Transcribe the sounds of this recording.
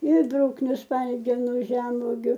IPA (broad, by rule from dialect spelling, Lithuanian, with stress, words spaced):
ɪr ˈbrʊknʲʊ ˈspɐlʲɡʲɛnʊ ˈʒʲɛmʋoːɡʲʊ